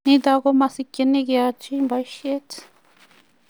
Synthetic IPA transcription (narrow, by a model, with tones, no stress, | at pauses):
nĩ˦d̪a˧ɣo˦mã˧si˧kʲe˧nẽ˦ɡa˧t͡ʃi˦mba˧i˦ʃe˦t͡s